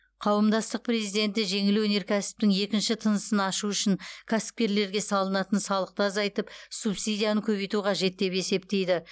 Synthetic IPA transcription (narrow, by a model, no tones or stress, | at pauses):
qʰɑwəmd̪ɑst̪əq̚pʰre̞zijd̪e̞nt̪ɪʒe̞ŋɪlwɵne̞ɾkʲʰæsɪ̥p̚t̪ɪŋe̞kʲɪnʃɪt̪ʰənəsənɑʃuʏʃɪŋkʲʰasɪ̥p̚kʲe̞ɾle̞ɾɡʲe̞sɑlˠənɑt̪ənsɑlˠəq̚t̪əɑzɑjt̪əpsupsijd̪ʲijanəkʲʰɵβejt̪uqʰɑʒe̞t̪̚ːe̞pe̞se̞p̚t̪e̞jd̪ɪ